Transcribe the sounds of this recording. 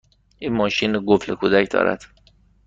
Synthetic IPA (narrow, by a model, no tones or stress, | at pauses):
ʔiːnmɒːʃiːnɡoflekʰud̪æcd̪ɒ̰ːɾʔæ̰d̪̥